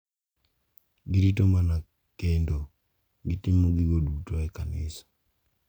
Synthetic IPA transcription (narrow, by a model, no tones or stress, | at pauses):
ɡiɾit̬omana | kendo | ɡitimoɡiɡodutoɛkanɪsḁ